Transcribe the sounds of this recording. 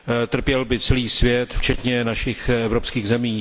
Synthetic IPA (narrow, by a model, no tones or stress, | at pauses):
t̪r̩pjɛlbɪt͡sɛliːsvjɛt̪ft͡ʃɛt̪ɲɛnaʃɪxɛvɾopskiːɣzɛmiː